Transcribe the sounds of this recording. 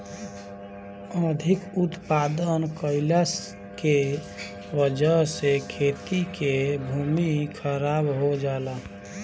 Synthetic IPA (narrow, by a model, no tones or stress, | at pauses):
əd̪ʱikut̪pad̪ənkəɪlas | ke | ʋəd͡ʒəɦsekʰet̪ikebʱumikʰəɾabɦod͡ʒala